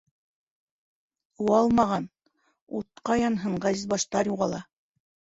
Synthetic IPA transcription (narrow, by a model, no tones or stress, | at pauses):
uɑlˠmɑʁɑn | ṵt̪̚qɑjɑnɦɤɴʁɑzizbɑʃt̪ɑɾjuʁɑlˠɑ